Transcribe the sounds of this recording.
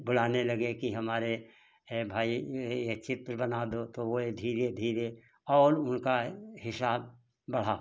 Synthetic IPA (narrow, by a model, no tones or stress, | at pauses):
bʊl̤aːnelɐɡekiɦɐmaːɾe | bʱaːijet͡ʃɪt̪ɾəbɐnad̪ot̪oʋoed̪ʱiːɾed̪ʱiːɾe | ɔːɾʊnkaɦɪsaːb̚ː | ɐɽ̤aː